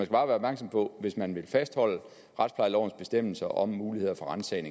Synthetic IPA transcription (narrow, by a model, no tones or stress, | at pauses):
ænsɡ̥æb̥ɑ̈ːʋæːɐb̥mæɐɡ̥sɒ̽mpʰɒ̽ʋe̝smænʋe̝lfæsd̥hɒ̽l̰ə | ʁad̥spʰlɑ̈ɪlɒʊ̰n̩sb̥e̝sd̥em̰l̩sɐʔɒ̽mːuːlihe̝ð̰ˠɐfɒ̽ʁansɛɪne